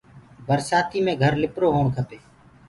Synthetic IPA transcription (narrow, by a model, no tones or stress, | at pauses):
bʱəɾsaːt̪ʰiːmẽːɡʱəɾlɪpɾoːɦoːɳkʰəp̪eː